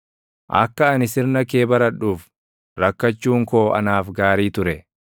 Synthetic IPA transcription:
ʔɐ̰kːɐːnɪsɪɾnɐkeːbɐɾɐᶑuːf | ɾɐkːɐt͡ʃːuːŋko̞ːʔɐ̰naːfɡaːɾiːt̪ʊɾɛ

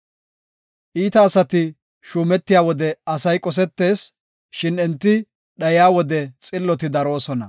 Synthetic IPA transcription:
ʔiːt̪ɐːsɐt̪ɪ | ʃuːmɛt̪ːɪjaːwɔd̪ɛɐsɐjkʼɔs̬ɛt̪ːe̞ːs | ʃɪnɛnt̪ːɪ | ɗɐjɪaːwɔd̪ɛt͡sʼɪlːɔt̪ɪd̪ɐɾo̞ːsɔnɐ̰

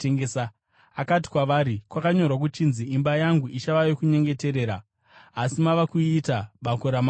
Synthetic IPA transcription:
eŋɡesa | akat̬i̥kwaʋaːɾikwakaɲo̞rwak̬ut͡ʃinziimbajaŋɡuʔiʃaʋaʋekuɲe̞ŋɡe̞te̞ɾe̞ːɾa | asimaʋakuitaɓakoɾama

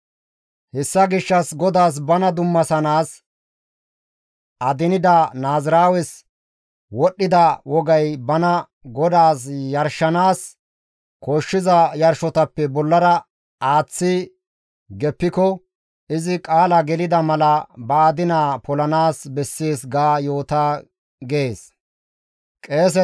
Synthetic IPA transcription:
hɛsːɐɡɪʃːɐsɡɔd̪aːs̬bɐnɐd̪ʊmːɐsɐnaːs | ɐd̪ɪnɪd̪ɐnaːzɾaːwɛs | wɔɗːɪd̪ɐwɔɡɐjbɐnɐ | ɡɔd̪aːsjɐɾʃːɐnaːs | koːʃːɪzɐjɐɾʃɔt̪ɐpːɛbɔlːɐɾɐ | ʔaːt͡sːɪ | ɡɛpːɪkɔ | ɪzɪkʼaːlɐɡɛlɪd̪ɐmɐlɐbɐːd̪ɪnaːpɔlɐnaːsbɛsːeːsɡaːjo̞ːt̪aː | ɡeeːs | kʼe̞ːs̬ɛ

